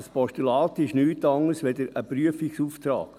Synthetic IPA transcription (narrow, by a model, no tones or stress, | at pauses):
spɔʃtulɑːt̪ɪʃnyːtɑŋəsʋed̪əɾəpɾyəfiksuːft̪ɾɑ̰ːk